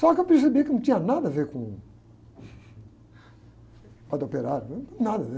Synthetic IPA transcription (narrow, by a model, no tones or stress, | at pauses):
sɔkewpeɾs̬ebekɨnɐ̃w̃t̪ĩɲɐnad̪ɐveɾkõ | pɐd̪opeɾaɾnad̪ɐve